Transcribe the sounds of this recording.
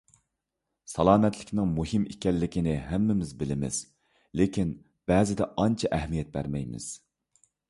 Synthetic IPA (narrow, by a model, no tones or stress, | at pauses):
sɑlˠɑːmɛt̪ʰlɪkʲnɪŋmuhɨmikʲɛlːɪkʲinɪɦæmːɪmɪzbɪlɪmɪ̰z̥ | lekʲʰin | b̥ɛːzɪd̪ɛʔɑnt͡ʃʰɑʔɛhmijɛt̪̚bæ̰ɾmɛjmɪ̰z̥